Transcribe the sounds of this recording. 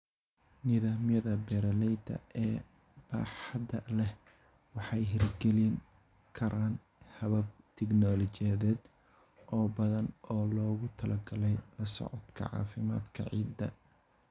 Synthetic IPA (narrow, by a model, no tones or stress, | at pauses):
nɪðaːmjɐðɐbɛɾɐlɛjd̪ɐ̰ʔɛː | b̥a̰ːħɑd̪ɐlɛh | wɑħɑjɦɪrɡɛlɪŋ | kʰɐɾʔaːn | hɐβɐb̚t̪ʰɛɡnɔːlɔt͡ʃɛðɛːd̪ | ʔɔːbɐðɐnɔːlɔːɣʊt̪ʰɐlɐɡɐlɛjlɐsɔ̰ʕɔt̪kʰɐ̰ʕɑ̰ːfɪma̰ːd̪kʰɐ̰ʕiːd̪ːɐ̰